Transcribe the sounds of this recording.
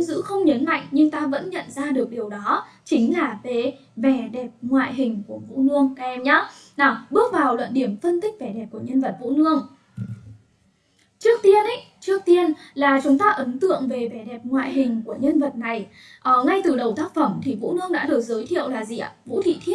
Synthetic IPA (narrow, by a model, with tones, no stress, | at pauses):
ŋ͡mzɨ̰˧˥xə˧wŋ͡mɲə˨˦nma̰˧˨jŋɲɨ˧ŋt̪aː˧və̰˧˥nɲə̰˧˨nzaː˧ɗɨ˨˩ək̚ɗi˨˩əwɗɔ˨˦ | t͡ɕï˨˦ŋ̟laː˨˩ve˨˩ | vɛ˧˩ɗɛ˨˩p̚ŋwa̰ː˧˨jɦï˨˩ŋ̟ku˧˩əvṵ˧˥nɨ˧əŋ˧ɛ˧mɲa˨˦na˨˧˩ɓɨ˦˥ək̚vaː˨˩wlwə̰˧˨nɗi˧˩əmfə˧nt̪ï˦˥k̟̚vɛ˧˩ɗɛ˨˩p̚ku˧˩əɲə˧nvə˨˩t̚vṵ˧˥nɨ˧əŋ | t͡ɕɨ˦˥ək̚t̪i˧ənʔə˧˦j | t͡ɕɨ˦˥ək̚t̪i˧ənlaː˨˩t͡ɕʊ˨˦ŋ͡mt̪aː˧ʔə˨˦nt̪ɨ̰˧˨əŋve˨˩vɛ˧˩ɗɛ˨˩p̚ŋwa̰ː˧˨jɦï˨˩ŋ̟ku˧˩əɲə˧nvə˨˩t̚na˨˩j | ʔəː˨˩ŋa˧jt̪ɨ˨˩ɗə˨˩wt̪aː˦˥k̚fə˧˩mt̪ʰi˨˩vṵ˧˥nɨ˧əŋɗa̰ː˧˥ɗɨ˨˩ək̚zəː˨˦jt̪ʰḭ˧˨əwlaː˨˩zḭ˨˩ʔa̰˧˩vṵ˧˥t̪ʰḭ˧˨t̪ʰi˦˥ət̚